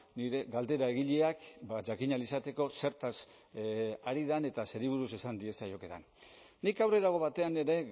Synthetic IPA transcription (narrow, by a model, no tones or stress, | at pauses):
niɾe̞ɣald̪e̞ɾae̞ɣ̞iʎeakbaʝakiɲalisat̪e̞ko̞se̞ɾt̪as | aɾið̞ane̞t̪ase̞ɾiβ̞uɾuse̞sand̪ie̞sajo̞ke̞ða̰nː | ikawreðaɣ̞o̞βat̪e̞ane̞ɾe̞